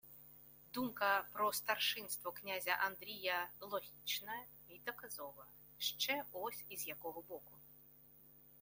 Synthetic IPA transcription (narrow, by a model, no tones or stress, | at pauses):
d̪umkɐpɾɔst̪arʂɨnst̪vɔknʲazʲɐʔand̪ɾʲijɐlˠɔɣʲit͡ʂnɐ | id̪ɐkazɔvɐ | ʂt͡ʂɛɔsʲizjakɔɣɐbɔku